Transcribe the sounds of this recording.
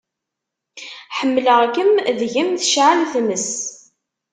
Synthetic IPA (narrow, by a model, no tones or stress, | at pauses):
ħəmːləʁkəmðʝəmθəʃʕalθməs